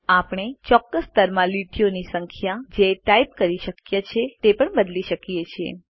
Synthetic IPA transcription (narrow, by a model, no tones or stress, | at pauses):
apɳ̃et͡ʃɔkːəst̪əɾmãliʈʰijonisəŋkʰjad͡ʒeʈaip̚kəɾiʃəkjet͡ʃʰet̪epəɳbəd̪liʃəkijet͡ʃʰiḛ